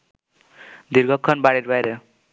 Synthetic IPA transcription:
d̪iɾɡʌkʰːʌnbaɽiɾbajɾe

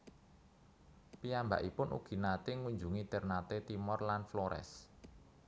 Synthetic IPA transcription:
piamba̰ʔipʊnʔṵɡ̥i̤nat̪ɪŋuɲd͡ʒuŋid̪̥ɛrnat̪et̪imɔrlanflɔɾɛ̰s

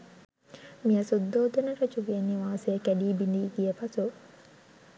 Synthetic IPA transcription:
miɐsud̪ːoːd̪ɐnɐɾɐt͡ʃuʋienːiʋaːsejɐkæɖiːbind̪iːɡiɐpɐsu

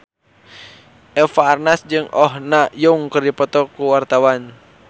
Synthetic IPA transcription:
ʔɛfaːrnasd͡ʒɨŋɔhnajuŋkɨrdipɔt̪ɔkuwart̪awan

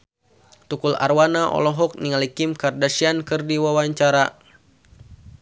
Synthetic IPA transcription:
t̪ukula̰rwanaʔɔ̰lɔɦɔk̚niŋalikimkardasiankɨrdiwawaɲt͡ʃaɾa

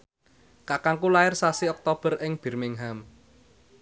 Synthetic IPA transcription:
kakaŋkulaɪrsasiɔk̚t̪ob̥ə̤rʔɪŋb̥i̤rmɪŋɦam

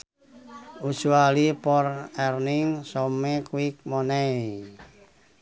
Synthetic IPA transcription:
usualipɔrɛrnɪŋsɔmekuwik̚mɔnɛi

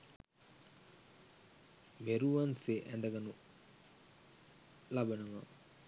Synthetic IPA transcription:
meɾuʋanseʔænd̪ɐɡanu | labɐnəʋa̰

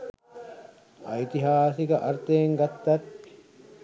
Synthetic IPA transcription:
ɐ̰it̪iɦaːsiɡɐʔɐɾt̪eːŋɡɐt̪ːɐt̪

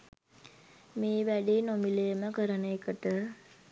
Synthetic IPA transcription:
miːʋæɖiːnomilejəməkəɾənɐkəʈə

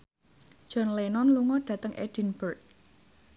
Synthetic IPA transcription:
ʒ̥ɔ̤nlenɔnluŋɔɖ̥ä̤t̪əŋʔḛd̥i̤nbərk̚

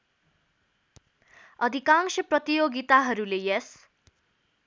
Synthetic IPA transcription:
ʌd̪ʱikãŋsʌprʌt̪ijoɡit̪aɦʌɾulejʌs

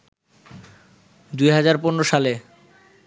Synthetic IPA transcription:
d̪ujɦad͡ʑaɾponɾoʃale

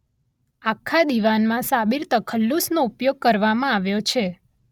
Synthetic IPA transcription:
akʰːad̪iʋanmãsabiɾt̪əkʰəlːusnoupjoɡ̚kəɾʋamãaʋjot͡ʃʰe

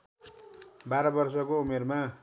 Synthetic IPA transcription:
baɾʌbʌrsʌkoumerma

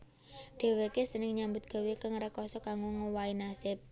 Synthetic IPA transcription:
d̪̥e̤wekesənɪŋɲambʊt̪̚ɡ̥a̤wekəŋrəkɔsɔkaŋɡuŋowainasɪp̚

